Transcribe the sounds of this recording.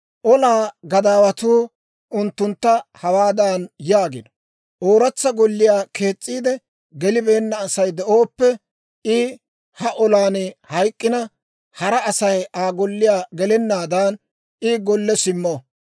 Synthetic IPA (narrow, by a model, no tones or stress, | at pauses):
ʔɔlaːɡɐd̪aːwɐt̪uː | ʔʊnt̪ːʊnt̪ːɐhɐwaːd̪aːnjaːɡɪnɔ | ʔoːɾɐt͡sːɐɡɔlːɪjaːke̞ːt͡sʼːiːd̪ɛ | ɡɛlɪbe̞ːnːɐːsɐjd̪ɛʔo̞ːpːɛ | ɪ | hɐʔɔlaːnhɐjkʼːɪnɐ | hɐɾɐːsɐjʔaːɡɔlːɪjaːɡɛlɛnːaːd̪aːn | ɪɡɔlːɛsɪmːɔ